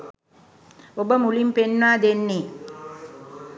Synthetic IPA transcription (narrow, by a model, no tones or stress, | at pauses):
obəmulimpenːaːd̪enːi